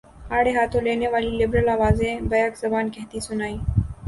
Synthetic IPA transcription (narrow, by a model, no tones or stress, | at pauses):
aːɽeːɦaːt̪ʰõːleːneːʋaːlilɪbɾəlaːʋaːzẽbɐjakzɐbaːnkɛɦt̪isʊnaːiː